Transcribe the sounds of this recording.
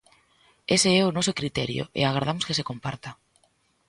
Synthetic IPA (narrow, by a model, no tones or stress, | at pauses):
eseɛonɔsokɾit̪ɛɾjo̰ʔḛaɣɾaɾð̞amoskesekompaɾt̪a